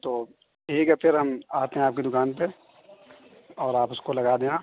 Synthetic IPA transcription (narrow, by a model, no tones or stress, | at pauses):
t̪oː | eːkapʰɪɾɦɐmaːt̪eɦẽaːp̚kid̪ʊkaːnpe | ɔːɾaːpʊskolɐɡaːd̪eːnãː